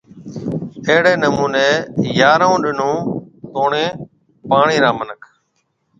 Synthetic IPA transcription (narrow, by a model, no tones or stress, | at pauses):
əɦɽeːnəmuːneːjaːɾõːɗɪnõːt̪oːɳẽː | paːɳiːɾãːmənəkʰ